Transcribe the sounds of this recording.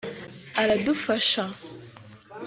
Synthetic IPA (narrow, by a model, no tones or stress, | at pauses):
aɾadufaʃa